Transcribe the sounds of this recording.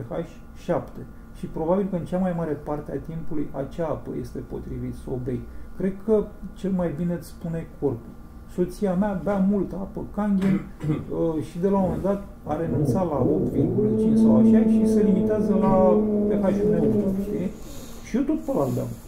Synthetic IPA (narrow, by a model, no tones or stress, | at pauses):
pexaʃʲ | ʃapt̪e̞ | ʃipɾo̞babilkəɨnt͡ʃamajmaɾe̞part̪eat̪impulujat͡ʃaapə̰je̞st̪e̞po̞̰t̪ɾivit̪sobejkɾe̞d̪kʰət͡ʃe̞lmajbine̞t̪sspune̞kʰo̞rpul | so̞t̪siameabamult̪apəkaŋɡʲen | əʃid̪e̞laomend̪at̪ | aɾe̞nunt̪salao̞p̚t̪virɡulət͡ʃint͡ʃʲsawaʃeaʃise̞limit̪eazəlapexaʒuneut̪ʃt̪i | ʃiot̪o̞t̪pəlalba̰m